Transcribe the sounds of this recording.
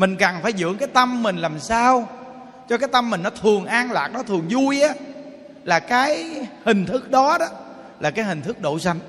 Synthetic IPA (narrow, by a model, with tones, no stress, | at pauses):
mï˨˩ŋ̟ka˨˩nfaː˧˩jzɨ̰˧˥əŋkaː˨˦jt̪ə˧mːï˨˩ŋ̟laː˨˩msaː˧w | t͡ɕɔ˧kaː˨˦jt̪ə˧mːï˨˩ŋ̟nɔ˨˦t̪ʰɨ˨˩əŋʔaː˧ŋlaː˨˩k̚ɗɔ˨˦t̪ʰɨ˨˩əŋzu˧jʔaː˨˦ | laː˨˩kaː˨˦jhï˨˩ŋ̟t̪ʰɨ˦˥k̚ɗɔ˨˦ɗɔ˨˦ | laː˨˩kaː˨˦jhï̟˨˩t̪ʰɨ˦˥k̚ɗo̰˧˩sa˧jŋ̟